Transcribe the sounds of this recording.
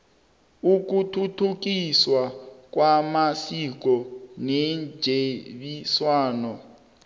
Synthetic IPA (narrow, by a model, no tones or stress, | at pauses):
uk̬utʰutʰuk̬iswak̬wamasik̬ɔnend͡ʒʱeɓiswaːnɔ